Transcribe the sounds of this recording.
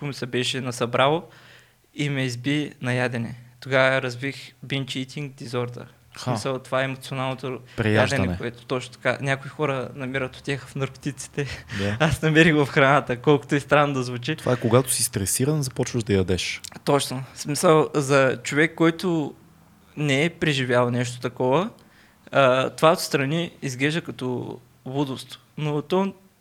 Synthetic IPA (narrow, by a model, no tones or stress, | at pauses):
ʊmisɛbɛʃɛnɐsɐbɾalˠo | imɛizbinɐjad̪ɛnɛ̰t̪oɡavɐɾɐzvixbint͡ʃit̪ʰiŋɡ̚d̪izɔɾt̪ə̰ | smisəlˠt̪ovaɛɛmot̪sʲionalˠnot̪opɾɛjadʒd̪ɛnkɛʊɛt̪ʊ̥t̪ɔt͡ʃnot̪ɐ̥kanʲakʊixɔɾənɐmiɾət̪ʊ̥t̪ʲjaxəfnɐɾko̥t̪it̪si̥t̪ɛd̪aasnɐmɛɾixvɐfxɾɐnat̪əkɔlˠkʊ̥t̪oɛst̪ɾanːod̪ɐzvut͡ʃit̪ovaɛkoɡat̪ʊ̥sist̪ɾɛsiɾənzɐpɔt͡ʃvəʒd̪ɐjɐd̪ɛʃt̪ɔt͡ʃnosmisəlˠzɐt͡ʃovɛkːɔjt̪ʊ | nɛɛpɾɛʒivʲjalˠnɛʃ̬t̪o̥t̪ɐkɔvə | t̪ovaot̪st̪ɾɐniizɡlɛʒd̪əkɐt̪ɔ | vud̪ʊst̪vo̥ | not̪ɔ